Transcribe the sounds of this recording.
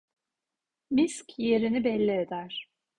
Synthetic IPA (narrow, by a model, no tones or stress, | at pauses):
miscʲje̞ɾinibɛlʲːied̪æɾ̥